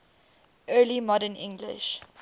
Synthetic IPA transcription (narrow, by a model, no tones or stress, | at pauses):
ʔɜːlimɔdənɪ̃ŋɡlɪ̰ʃ